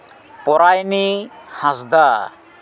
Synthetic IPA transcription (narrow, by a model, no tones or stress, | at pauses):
pɔɾajnihãsd̪a